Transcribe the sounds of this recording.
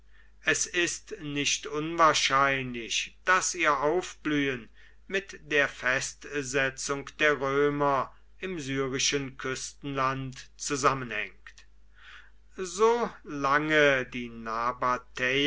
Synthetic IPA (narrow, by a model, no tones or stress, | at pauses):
ʔɛsɪstnɪʃtʔʊnvaːɐʃaɪnlɪʃd̥asiːɐʔaʊfb̥lyːən | mɪtd̥eːɐfɛstzɛt͡sʊŋkd̥eːɐʁøːmɐ | ʔɪmzyːʁɪʃənkʰʏstn̩lantt͡suzamənhɛ̰ŋkt | zoːlaŋədiːnabatʰɛ